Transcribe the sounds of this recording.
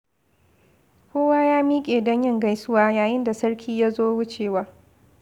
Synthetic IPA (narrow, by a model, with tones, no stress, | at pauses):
kʷoː˦waː˦jaː˦miː˦kʲʼeː˨dɔ˦ɲjɪ˦˨ŋɡa˦jsʊ˦waː˦jaː˨jɪ˦nda˨sɐ˦ɽkʲʰiː˦ja˦zoː˦wʊ˦t͡ʃeː˨waː˦